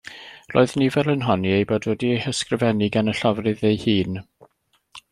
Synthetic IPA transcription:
ro̰ːɨðnivɛlˠənɦɔniejboːdwɛdiehəskrɪvɛnɪɡanəɬavrɨðejhiːn

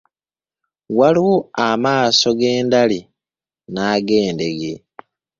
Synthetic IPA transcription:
waliwuamaːso̞ɡe̞ːndali | naːɡe̞ːnde̞ɡe

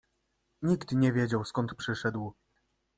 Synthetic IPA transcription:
ɲikt̪ɲɛvʲjed͡ʑawskɔnt̪pʂɘʂɛd̪w

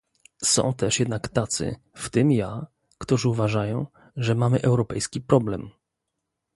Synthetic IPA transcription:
sɔ̰̃w̃t̪ɛʂjɛd̪nakt̪at̪sɘ̰ | ft̪ɘmja | kt̪uʐɘuvaʐajɔ̃w̃ | ʐɛmamɘʔɛwɾɔpɛjskʲipɾɔblɛm

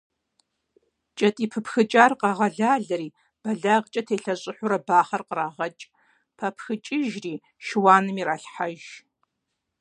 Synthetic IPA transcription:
t͡ʃʼɐtʼiːpʰɨpxɨt͡ʃʼaːrqɑʁɐɮaːɮɐɾiː | b̥ɐɮaːʁt͡ʃʼɐtʰeːɬɐɕʼɪħʷʊɾɐbaːχɐrqəɾaːʁɐt͡ʃʼ | pʰɐpʰxɨt͡ʃʼɪʒriː | ʃɪwaːnɨmiːraːɬħaʒ

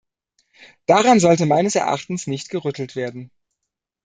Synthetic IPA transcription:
d̥aʁanzɔltəmaɪnəsɛɐʔa̰χtn̩snɪçtɡ̥əʁʏtʰl̩tv̥eːɐdn̩

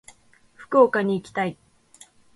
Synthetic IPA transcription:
ɸɯ̥koːkaɲ̟iːkʲi̥t̪ai

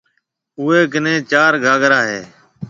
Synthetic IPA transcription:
ʊːeːk̬ɪnẽːt͡ʃaːɾɡʱaːɡɾaːɦeː

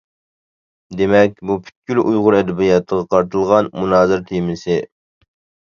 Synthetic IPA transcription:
d̪emɛk̚ʲbupʰy̥t̪̚kʲʰylʔujʁʊɾɛd̪ɪbijɑt̪ʰːəʁɑqʰɑɾt̪ʰɨlˠʁɑnmunɑːzɪɾt̪ʰemɪsɪ

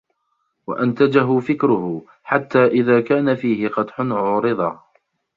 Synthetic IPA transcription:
wa̰ʔant̪ad͡ʒaɦʊfɪkɾʊhʊ | ħat̪ːaːʔɪðaːkaːnafiːhɪqɑt̪ˤħʊnʕʊːɾɨðˤɑː

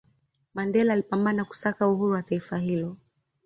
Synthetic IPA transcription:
mandɛlaːlipambanaku̥sakauhuɾuwataifaɦilɔ

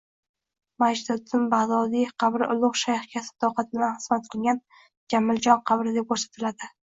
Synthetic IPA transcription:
mad͡ʒd̪ɪɪmbad̪ɒd̪ijqʰɑbɾɪʔʊlˠʊqʃajhkʲʰasɪ̥t̪ɒwqɑt̪̚ɪbɪd̪anχɨz̥mat̪̚qʰɨlˠɡʲan | d͡ʒamːɪld͡ʒɒŋqʰɑbɾɪd̪ep̚kʰoɾsḁt̪ʰɪlad̪ɪ

